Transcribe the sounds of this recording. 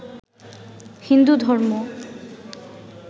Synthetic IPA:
hind̪ud̪ʱɔɾmo

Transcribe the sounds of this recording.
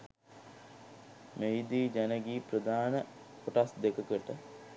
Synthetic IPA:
mejd̪iːd͡ʒænəɡiːprəd̪aːnə | poʈasd̪ekəkəʈə

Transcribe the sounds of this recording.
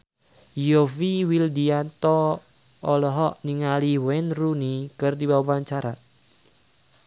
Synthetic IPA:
jofiwild̪iat̪ɔ | ɔlɔɦɔʔniŋaliwɛnrunikɨrdibawapaɲt͡ʃaɾat̪̚

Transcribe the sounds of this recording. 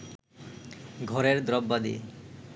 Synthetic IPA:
ɡʱɔɾeɾd̪ɾɔbːad̪ḭe

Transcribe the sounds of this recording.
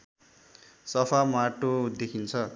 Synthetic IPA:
sʌpʰamaʈod̪ekʰint͡sʰʌ

